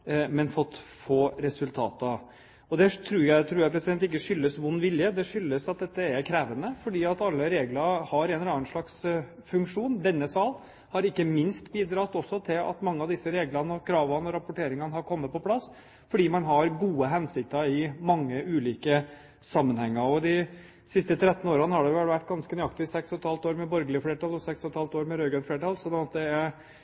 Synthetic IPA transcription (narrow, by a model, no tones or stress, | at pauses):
mɛnfɔt̪ːfoːɾɛsʉlt̪ʰɑ̰ːt̪ə | ɔd̪ɛt̪ʰɾʉːɾjæɪt̪ʰɾʉːɾjæɾpʰɾɛsɪd̪ɛnt̪ɪk̬ːəʂʏlːəsʋʊnːʋɪljəd̪ɛʂʏlːəsɑt̪̚d̪ɛt̪ːəɛɾkʰɾɛːʋənəfɔɖiːɑt̪ɑlːəɾeːɡləɾhɑɾɛnɾɑnʂɭɑks | fʉŋkʂuːnd̪ɛnːəsɑːl | hɑɾɪkːəmɪnst̪biːd̪ɾɑːt̪ɔsːɔt̪ʰɪlɑ̰t̪mɑŋːəɑʋd̪ɪsːəɾeːɡlɑnəɔkʰɾɑːʋɑnɔɾɑpʊʈʰeːɾɪŋɑnəhɑɾkʰɔmːət̪̚pʰɔpʰlɑsː | fɔɖiːmɑnɦɑɾɡuːəɦɛnsɪk̚t̪əɪmɑŋːəʔʉːliːkə | sɑmːənhɛŋːəɔd̪ɪ | sɪst̪ət̪ʰɾɛt̪ːn̩oːɾɑnəhɑɖɛʊʋæʋæʈːɡɑnskənʏɑkt̪ɪsɛkshɔt̪hɑlt̪oːɾmɛbɔɾɡəlɪəfleːʈɑːlɔsɛksɔt̪hɑlt̪oːɾmɛɾøːɡɾɑnfleːʈɑlsɔnɑt̪̚d̪ɛæɾ